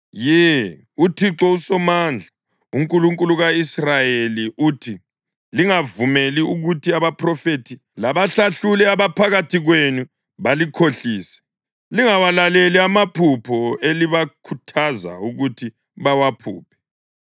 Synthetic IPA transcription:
jɛ | utʰiǁɔusɔmand͡ɮʱa | uŋkʼuluŋkʼuluɣaisrajeliʔuːtʰi | liŋavumeliuɣutiaβapʰrɔfetʰi | laβaɬaɬulɛaβapʰaɣatʰiɣwenu | βalikʰoɬiːsɛ̥ | liŋawalaleliamapʰupʰɔeliβakʰutʰaza̰uɣutʰi | βawapʰṵːpʰɛ̥

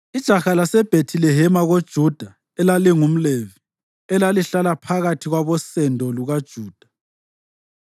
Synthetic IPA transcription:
id̥ʒ̥ʱaxalasɛb̥ʱetʰilɛɦɛmaɣod̥ʒ̥ʱud̥ʱa | ɛlaliŋum̩levi | ɛlaliɬalapʰaɣatʰiɣwaβɔsɛndʱɔluɣad̥ʒ̥ʱuːd̥ʱḁ

